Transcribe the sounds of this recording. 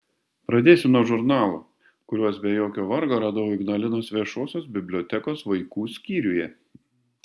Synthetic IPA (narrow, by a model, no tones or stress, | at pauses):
pɾɐd̪ʲeːsʲʊnuɔʒʊɾnɑːlˠoː | kʊɾʲuɔsbʲɛjoːkʲoːʋɐɾɡoɾɑːd̪ɐʋoːɪɡnɐlʲɪnoːsʋʲiɛʃoːsʲoːs̬bʲɪbʲlʲoɔːt̪ʲɛkoːsʋɐɪkuːsʲkʲiːɾʲʊjɛ